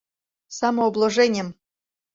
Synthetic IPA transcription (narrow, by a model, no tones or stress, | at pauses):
sɑmŏoblˠoʐenʲɘ̆m